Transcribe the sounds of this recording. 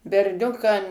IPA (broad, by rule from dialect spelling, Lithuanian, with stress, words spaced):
bʲɛrʲˈnʲʊkɐm